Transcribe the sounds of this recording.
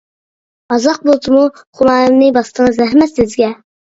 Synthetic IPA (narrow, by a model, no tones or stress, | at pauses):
ɑzɑq̚bolˠt̪ʰɨmu | χulɑːjɨmnɨbɑst̪ʰəŋəzæɦmɛt̪sɪzɡʲɛ